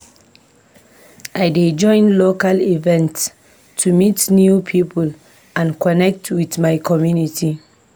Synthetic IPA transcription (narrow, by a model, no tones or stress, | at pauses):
ʔajded͡ʒɔ̃ɪ̃nlokalivɛ̃nts | tʰːumitnjupʰipʰul | ʔãnkʰɔnɛk̚tʰwitmajkʰɔmjuniti